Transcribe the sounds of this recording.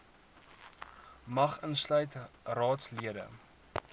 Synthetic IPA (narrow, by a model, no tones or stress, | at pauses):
mɐχənslœɥtrɑːtsliədə̰